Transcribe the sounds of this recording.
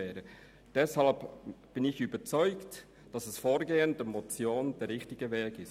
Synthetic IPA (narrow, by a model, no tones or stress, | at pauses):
ɛːɾə | d̥ɛshɑlpb̥ɪnɪçyːbət͡sɔʏkt | d̥ɑsɛsfoːɾɡeːəndəmot͡sjoːnd̥ɛːɾːɪxtɪɡəvɛːkɪs